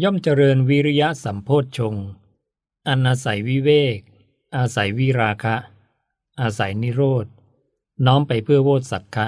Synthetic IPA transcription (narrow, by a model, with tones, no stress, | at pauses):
jɔ˥˩mt͡ɕa˧ɾɤː˧nwi˦˥ɾi˦˥ja˦˥ʔsa˩˦mpʰoː˥˩t̪̚t͡ɕʰo˧ŋ | ʔa˧nʔaː˧sa˩˦jwi˦˥weː˥˩k̚ | ʔaː˧sa˩˦jwi˦˥ɾaː˧kʰa˦˥ʔ | ʔaː˧sa˩˦jni˦˥ɾoː˥˩t̪̚ | nɔː˦˥mpa˧jpʰɯ˥˩ɐwoː˥˩t̪̚sa˨˩˦kʰːa˦˥ʔ